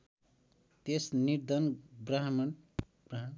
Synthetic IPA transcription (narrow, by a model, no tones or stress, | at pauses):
t̪esniɾd̪ʌnbraɦmʌn | braɦ